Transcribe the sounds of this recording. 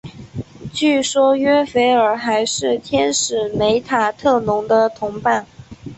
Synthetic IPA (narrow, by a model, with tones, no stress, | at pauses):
t͡ɕy˥˩ʂwɔ˥ɥɛ˥fe˧˥ɪə˞˨˩xa˧˥ɪʂɻ̩˥˩t̪ʰjɛ˥nʂɻ̩˨˩me˧˥ɪt̪ʰa˨˩t̪ʰɤ˥˩nʊ˧˥ŋd̪ə˧t̪ʰʊ˧˥ŋpa˥˩n